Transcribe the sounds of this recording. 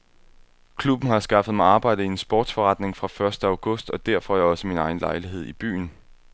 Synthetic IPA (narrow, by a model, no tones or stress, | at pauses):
kʰlub̥n̩ɦɑ̈sɡ̥ɑ̈fəð̩ˠmɑ̈ɪɑ̈ːb̥ɑ̈ɪ̰d̥əiensb̥ɔːd̥sfɒʁɑ̈d̥ne̝ŋfʁɑ̈fɶɐsd̥əæ̈ʊɡ̥ɔ̽sd̥ɒ̽d̥æɐ̰fɒjäɒ̽səminɑ̈ɪn̩lɑ̈ɪliɦe̝ð̰ˠib̥y̰ːn